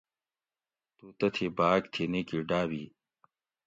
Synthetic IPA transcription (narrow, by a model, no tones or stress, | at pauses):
t̪uːt̪ɐt̪ʰibaːɡt̪ʰiniːkiɖaːwiː